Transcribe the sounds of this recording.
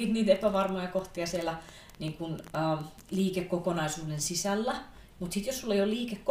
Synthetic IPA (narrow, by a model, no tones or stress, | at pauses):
iːt̪niːt̪epæʋɑrmojɑkoht̪iɑsielæ | niːŋkunəː | liːkekːokonɑisuːdensisælːæ | mut̪sit̪jossulːeijolliːkekːo